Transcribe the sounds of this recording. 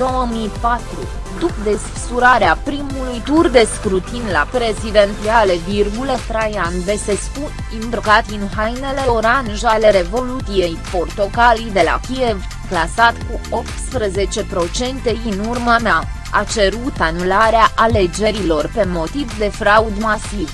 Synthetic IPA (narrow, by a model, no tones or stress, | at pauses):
owəmipat̪ɾṵ | d̪upd̪e̞s | suɾaɾeapɾimulujt̪urd̪e̞skɾut̪inla̰pɾe̞zid̪e̞nt̪sialevirɡulət̪ɾejanve̞sesput̪ | imbrkat̪inɦajne̞le̞oɾanʒale̞ɾe̞vo̞lut̪ije̞jpo̞rt̪o̞kalijd̪e̞la̰kʲie̞v | klasat̪kuo̞pt̪spɾəze̞t͡ʃe̞pɾo̞t͡ʃe̞nt̪e̞inurmamea | at͡ʃe̞ɾut̪anulaɾeaʔale̞d͡ʒe̞ɾilo̞rpe̞mo̞t̪ivd̪e̞fɾaud̪masiv